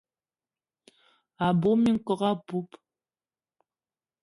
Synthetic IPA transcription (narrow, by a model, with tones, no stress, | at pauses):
a˨bo˨˦mi˦ŋ̩˨kɔ˦ɣa˦pu˦p